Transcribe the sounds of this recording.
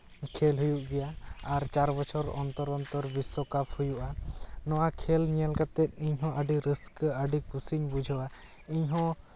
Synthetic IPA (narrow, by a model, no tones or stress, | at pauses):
kʰɛlɦujuʔɡɛjaaɾt͡ʃaɾbɔt͡ʃʰɔɾɔ̰nt̪ɔɾɔnt̪ɔɾbisɔkapʰhujuʔanɔwakʰɛlɲijalkat̪ɛt̪̚ˀiɲɦɔ̃ʔəɖiɾiskəɖikusiɲbud͡ʒʱɔwa | iɲɦɔ̃